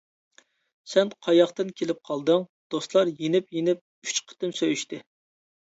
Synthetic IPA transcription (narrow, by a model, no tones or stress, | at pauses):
sɛnqʰɑjɑχt̪ɨnkʲʰelɪp̚qʰɑlˠd̪ɨŋd̪̥ost̪lˠɑɾjenɪpjenɪp̚ | y̥t͡ʃqʰə̥t̪ɪmsøjyʃt̪ɪ